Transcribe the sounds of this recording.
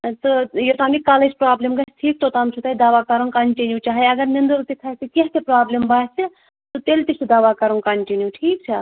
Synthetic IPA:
t̪ɨjot̪aːmikaːled͡ʒpɾaːblemkɐsʈʰiːk̚t̪ot̪aːmt͡ʃʰut̪ɐid̪aːʋakɐɾunkɐɳʈinjut͡ʃaːɦɐjɐɡɐɾnind̪uɾt̪ik̪ʰɐt̪keɦk̪epɾaːblembat͡ʃi | t̪ɨt̪elt̪isʰid̪aʋakɐɾunkɐɳʈinjuʈʰiːk̚t͡ʃʰɐ

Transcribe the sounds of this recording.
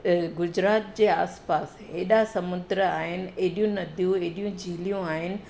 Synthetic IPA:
ɡʊd͡ʑɾaːt̪̚d͡ʑeːa̰ːspaːsɦeːɗasɐmʊd̪ɾəaːɦɪnɪ̆eɦɗijũnɐd̪ʱjũeːɗijũd͡ʑʱiːlijũaːɦɪnɪ̆

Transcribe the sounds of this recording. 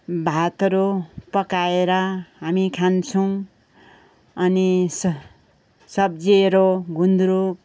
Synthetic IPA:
bʱat̪ɾopʌkaeɾʌɦamikʰant͡sʰʌw̃ | ʌnis | sʌb̚d͡zieɾoɡund̪uɾuk

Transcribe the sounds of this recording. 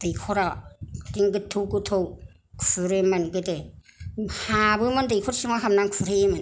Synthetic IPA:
d̥ɯjkʰɔɾadiŋɡɯtʰːɯwkɯt̪ʰow | kʰuɾemanɡɯde | habɯmandɯjkʰɔɾsiŋaɦamnaŋkʰuɾemɯ

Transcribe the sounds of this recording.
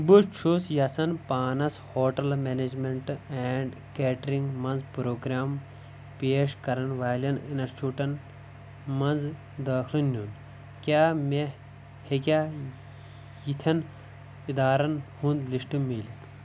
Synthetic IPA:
but͡ʃʰosjɐsɐnpaːnɐshoːʈɐlmeːned͡ʒmeɳʈeɳɖ | keːʈɐɾĩŋɡmɐnzpɾoːɡɾaːm | peːʂkɐɾɐnʋaːlʲɐninɐt͡ʃʰuʈɐn | mɐnz | d̪ɐːkʰlinːun | kʲaːme | hekʲaː | jit̪ʰɐn | id̪aːɾɐnhũnd̪liʂʈimiːlit̪

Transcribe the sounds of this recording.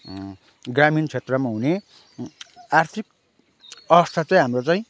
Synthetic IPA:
ɡramint͡sʰet̪rʌmaɦune | art̪ʰik | ʌbʌst̪ʰat͡saĩɦamrot͡saĩ

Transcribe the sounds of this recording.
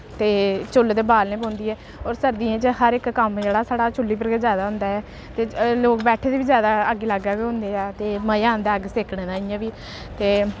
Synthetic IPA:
t̪eːt͡ʃʊld̪eːbaːlnẽːpõːnd̪iːɦɛː | ɔːɾsəɾd̪ĩːẽːt͡ʃhəɾɪkːəmd͡ʒeːɽaːsaːɽaːt͡ʃʊlːiːpəɾɡezjaːd̪aːɦʊ̃nd̪aːɛː | t̪eːloːkbɛːʈʰeːd̪eːʋiːzjaːd̪aːəɡːeːləɡaːkeɦʊ̃nd̪eːɛːt̪eːməjãːnd̪aːəɡseːkɽ̃ẽːd̪ãːɪjãːʋiː | t̪eː

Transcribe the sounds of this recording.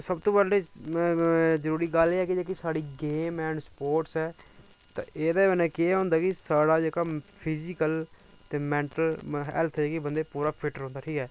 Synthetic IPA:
səbt̪õːbəɖeː | zəɾuːɾiːɡəleːɛːkɪd͡ʒeːkisaːɽiːɡeːmɛ̃ːɳɖspoːɾʈsɛː | t̪ã̰ːʔeːd̪aːbənɛ̃ːkɪeɦõːnd̪aːkɪsaːɽaːd͡ʒeːkaːpʰɪziːkəl | t̪eːmɛ̃ːɳʈəlɦɛ̰lt̪ʰɛeːkɪbənd̪eːpuːɾaːpʰɪʈəɾɦõnd̪aːʈʰiːkɛː

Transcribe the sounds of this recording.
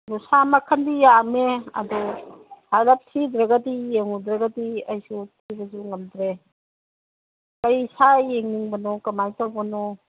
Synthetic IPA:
dɔsamakʰandijameɐ̰dɔhalap̚tʰid̪ɾaɡadijeŋudɾaɡadiɐjsutʰibɐs̬uŋɐmd̪ɾe | kajsajeŋniŋbɐnɔkɐmajtawbɐnɔ

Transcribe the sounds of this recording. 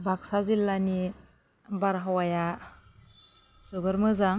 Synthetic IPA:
baksazilːani | baɾɦawaja | sɯbɯɾmɯzaŋ

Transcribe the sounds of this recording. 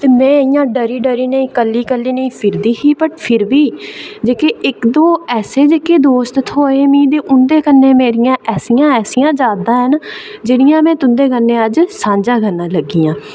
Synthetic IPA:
t̪eːmɛ̃ːɪjãːɖəɾiːɖəɾiːnəĩːkəlːiːkəlːiːnəĩːpʰɪɾd̪iːɦiːpəʈpʰɪɾbiːd͡ʒeːkeɪkd̪õːɛːseːd͡ʒeːkeːd̪oːst̪t̪ʰoːeːmĩːd̪eːʔʊnd̪eːkənːẽːmeːɾɪjãːʔɛːsijãːɛːsijãːd͡ʒaːd̪ãːɦənd͡ʒɪɽɪjãːmɛ̃ːt̪ʊnd̪eːkənːẽːəd͡ʒsãːɲd͡ʒãːɡənãːləɡːiːãː

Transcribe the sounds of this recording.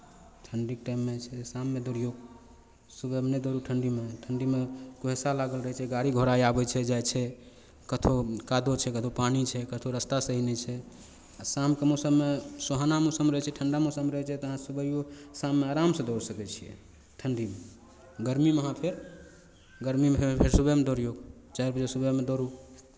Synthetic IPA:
ʈʰəɳɖikʈajmːet͡ʃʰɛsamːed̪oɾijoɡ | subebned̪oɾuʈʰəɳɖimeʈʰəɳɖimekoɦesalaɡəlɾəɦɛt͡ʃʰɛɡaɾiɡʱoɾajabɛt͡ʃʰɛd͡ʒajt͡ʃʰɛ | kət̪ʰokad̪ot͡ʃʰɛkət̪ʰopanit͡ʃʰɛkət̪ʰoɾəst̪asəɦinɛt͡ʃʰɛ | asamkemɔsəmːesoɦanamɔsəmɾəɦɛt͡ʃʰɛʈʰəɳɖamɔsəmɾəɦɛt͡ʃʰɛt̪ɔəɦãsubəjosamːeaɾamsə̃d̪oɾsəkɛt͡ʃʰijɛ̰ | ʈʰəɳɖime | ɡəɾmimeɦãpʰeɾ | ɡəɾmimeepʰeɾsubemed̪oɾijoɡ | t͡ʃaɾbəd͡ʒesubəmed̪oɾu

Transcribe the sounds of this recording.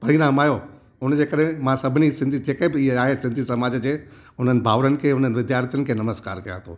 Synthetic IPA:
pɐɾĩːnãːmaːjo | ʊnəd͡ʑeːkɐɗɦẽmãsɐbʱɪnisɪ̃nd̪ʱid͡ʑeːkẽbɪɪɦeaːɦesɪ̃nd̪ʱisɐmaːd͡ʑd͡ʑeː | ʊn̤ənɪ̆bʱaːʋɾənɪ̆kʰeːɦʊn̤ənɪ̆ʋɪd̪jaːɾt̪ʰjənɪ̆kʰeːnɐməska̰ːɾkɐjã̰t̪ʰoː

